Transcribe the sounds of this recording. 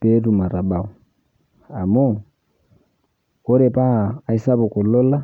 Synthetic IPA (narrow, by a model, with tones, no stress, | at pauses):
pe˦tu˨ma˨ɾa˨ba˨u˨ | a˨mo˦ | o˦ɾɛ˨paː˦˨i˦sa˦βu˨kɔ˨lɔ˦la˦